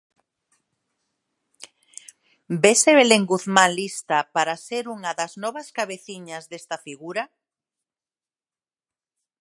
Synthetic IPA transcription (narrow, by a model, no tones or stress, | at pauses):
beseβeleŋɡuθmãnlist̪apaɾaseɾuŋɐaðɐznɔβɐskaβeθiɲazðest̪afiɣuɾa